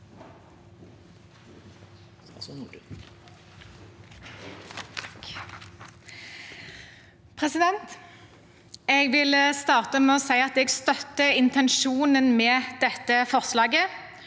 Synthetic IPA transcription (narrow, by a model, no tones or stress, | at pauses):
pʰʁɛsɪd̪ɛnt̪ | eːɡʋɪlst̪ɑːʁt̪əmɛːɔsæɪɑt̪eːɡst̪œt̪ːəɪnt̪ɛnʃuːnənmeːd̪̥ɛt̪ːəfɔʁslɑːɡə